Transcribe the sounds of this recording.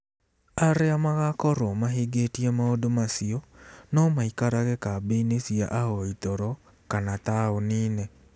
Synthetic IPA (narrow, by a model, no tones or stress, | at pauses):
aɾeamaɣakɔɾɔmaɦiɡetiemaodomasiɔnɔmaikaɾaɣekabeinesiaʔaɣɔitɔɾɔ | kanataoniːne